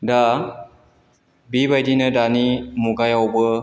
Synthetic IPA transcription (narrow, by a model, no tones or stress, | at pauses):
da | bibajdinɯdanimuɡajawbɯ